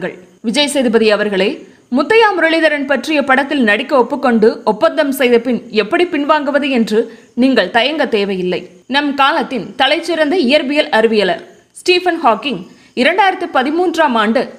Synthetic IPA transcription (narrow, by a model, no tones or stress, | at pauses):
ɡɐ̰ɭ | ʋɪd͡ʒɐjɐsɛjðɯbɐðɪɐʋɐɾɣɐɭeː | mʊt̪ːɐjaːmʊɾɐɭɪðɐɾɐnpɐʈrɪjɐpɐɽɐt̪ːɪlnɐɽɪkːɐɔpːɯkːɔɳɖɯɔpːɐnd̪ɐmsɛjðɐpɪnɛpːɐɽipɪnʋaːŋɡɯʋɐðɯɛndrɯ | niːŋɡɐɭt̪ɐjɐŋɡɐt̪eːʋɐjɪlːɐɪ | nɐmkaːlɐt̪ːɪnt̪ɐlɐɪt͡ʃːɪɾɐnd̪ɐɪjɐɾbɪjɐlʔɐɾɯʋɪjɐlɐɾ | sʈiːfɐnhaːkːɪŋ | ɪɾɐɳɖaːjɪɾɐt̪ːɯpɐðɪmuːndraːmaːɳɖɯ